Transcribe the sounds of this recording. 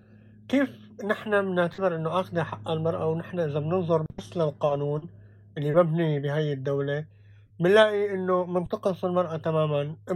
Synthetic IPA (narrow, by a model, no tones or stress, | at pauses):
kiːf | nɪħnamnɪʕt̪abɪɾʔɪnːoʔaxd̪aħaʔːalmɑɾˤʔawnɪħnaʔɪzabnɨnzˤʊɾɪsːlalqɑːnuːn | ʔɪlːibɪbnibiɦajːɪd̪ːawle | mɪnlaːʔiʔɪnːomɪnt̪ˤɑqɨsˤɪlmɑɾˤʔat̪amaːmanʔɪ